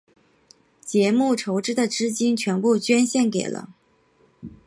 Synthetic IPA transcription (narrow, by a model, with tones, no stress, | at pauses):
t͡ɕjɛ˧˥mu˥˩ʈ͡ʂʰo˧˥ʊʈ͡ʂɻ̩˥d̪ə˨ʈ͡ʂɻ̩˥t͡ɕi˥nt͡ɕʰɥɛ˧˥npu˥˩t͡ɕɥɛ˥nɕjɛ˥˩nke˨˩ɪlə̰˦